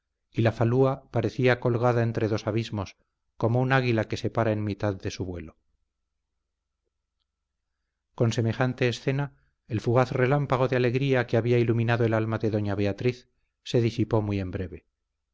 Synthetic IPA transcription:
ilafaluapaɾe̞θiako̞lɣaðae̞nt̪ɾe̞ðo̞saβizmo̞s | ko̞mo̞unaɣ̞ilake̞se̞paɾaenmit̪aðde̞suβwe̞lo̞ | ko̞nse̞me̞xant̪e̞ːsθe̞na | elfuɣaθre̞lampaɣ̞o̞ðeale̞ɣɾiakeaβiailumĩnaðo̞e̞lalmaðe̞ðo̞ɲaβe̞at̪ɾiθ | se̞ðisipo̞muje̞mbɾe̞βe̞

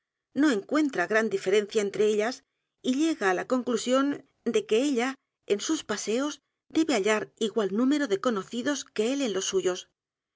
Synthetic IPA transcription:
no̞e̞ŋkwe̞nt̪ɾaɣɾand̪ife̞ɾẽ̞nθjaent̪ɾe̞e̞ʎas | iʎe̞ɣaːlako̞ŋklusjo̞n | d̪e̞ke̞eʎa | e̞nsuspase̞o̞z | d̪e̞βe̞aʎaɾiɣwalnũme̞ɾo̞ðe̞ko̞no̞θiðo̞ske̞e̞lenlo̞sːuʝo̞s

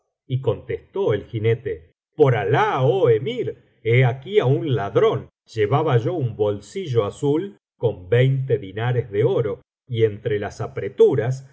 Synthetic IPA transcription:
iko̞nt̪est̪o̞elxine̞t̪e | po̞ɾalaoemiɾ | eakiaunlaðɾo̞n | ʒ̥eβaβaʒo̞umbo̞lsiʒo̞asul | ko̞mbɛjnt̪̬eðinaɾezðeo̞ɾo̞ | ie̞nt̪ɾelasapɾe̞t̪uɾas

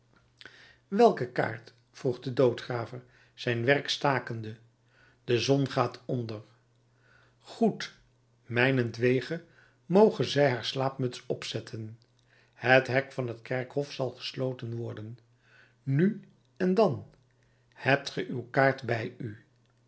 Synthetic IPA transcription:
ʋɛlˠkəka̰ːɹt | fruχdədowtχraːvəɹ | z̥ɛjnʋɛrkstaːkəndə | d̥əzɔnχaːtʰɔndər | χut | mɛjnəndʋejχə | mowχənzɛjɦaːɹslaːpmɵtsɔpsɛtʰən | hətɦɛkfɑnɦətkɛɹkɦɔfsɑlˠχə̥slowtənʋɔɹdənː | y | ɛndɑn | hɛp̚tχəʔywkaːɹtbɛjy

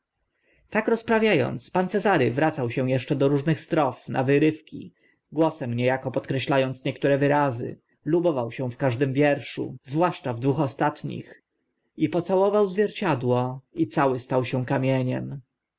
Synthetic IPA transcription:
t̪akɾɔspɾavʲjajɔ̰nt̪spant̪sɛzaɾɘvɾat̪sawɕɛw̃jɛʂt͡ʂɛd̪ɔɾuʐnɘxst̪ɾɔfnʔa̰vɘɾɘfkʲḭ | ɡwɔsɛmɲɛjakɔpɔt̪kɾɛɕlajɔnt̪sɲɛkt̪uɾɛvɘɾazɘ̰ | lubɔvawɕɛw̃fkaʐd̪ɘmvʲjɛɾʂṵzvwaʂt͡ʂavd̪vuxɔst̪at̪ɲḭx | ipɔt̪sawɔvawzvʲjɛɾt͡ɕad̪wɔit̪sawɘst̪awɕɛ̃kamʲjɛɲɛ̰m

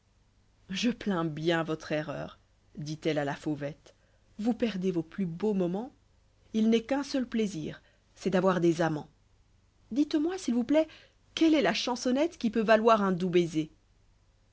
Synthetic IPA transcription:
ʒəplɛ̃bjɛ̃vɔt̪χɛʁœ̰ːʁ | d̪it̪ɛlalafovɛt̪ | vupɛʁd̪evoplybomɔmɑ̃ | ilnɛkɛ̃sœlplezḭːʁ | sɛd̪avwaʁd̪ezamɑ̃ | d̪it̪mwasilvuplɛ | kɛlɛlaʃɑ̃sɔnɛt̪kʲipøvalwaʁɛ̃d̪ubeze

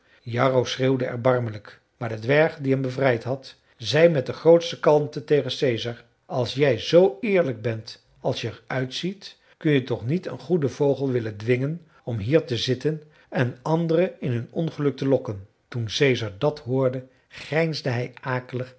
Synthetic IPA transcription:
jɑːrowsreːwdəɛ̰ɹbɑrmələk | maːɹdədʋɛɹχdiɦɛmbəvrɛjtɦɑt | zɛjmɛt̚dəχrowtstəkɑlˠmtətejχənsejzɑɹ | ɑlˠsjɛjzowɪːɹləɡ̚bɛnt | ɑlˠsjəɛɹœɥtsit | kɵnjətɔχnitə̰nχudəvowχəlˠʋɪləndʋɪŋən | ɔmɦiːɹtəzɪtən | ɛnɑndərəɪnɦɵnɔnχəlɵk̚təlɔkən | tunsejzɑɹdɑtɦʊːɹdə | χrɛjnzdəɦɛjaːkələχ

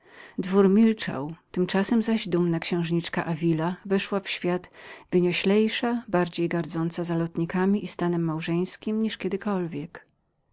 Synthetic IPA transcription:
d̪vuɾmʲilt͡ʂa̰wt̪ɘmt͡ʂasɛmzaʑd̪umnakɕɛ̃w̃ʐɲit͡ʂkaʔavʲilavɛʂwafɕfʲjad̪̥vɘɲɔɕlɛjʂabaɾd͡ʑejɡaɾd̪zɔnt̪sazalɔt̪ɲikamʲiʔist̪anɛmːawʐɛj̃skʲimɲiʂkʲɛd̪ɘkɔlvʲjɛk

